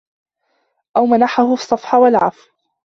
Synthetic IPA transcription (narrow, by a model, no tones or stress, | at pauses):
ʔawmanaħahʊsˤːɑfħɑwalʕa̰fw